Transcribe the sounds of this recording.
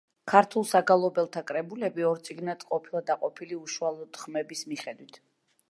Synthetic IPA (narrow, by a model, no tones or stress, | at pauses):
kʰaɾt̪ʰulˠsaɡalˠɔbɛlˠt̪ʰakʼɾɛbulɛbiɔɾt̪sʼiɡnat̪qʼɔpʰilˠad̪aqʼɔpʰiliuʃualˠɔd̪̥χmɛbismiχɛd̪wit̪ʰ